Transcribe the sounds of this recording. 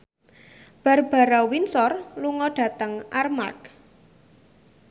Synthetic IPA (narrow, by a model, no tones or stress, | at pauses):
b̥a̤rb̥a̤ɾawinsɔrluŋɔɖ̥ä̤t̪əŋʔarma̰k̚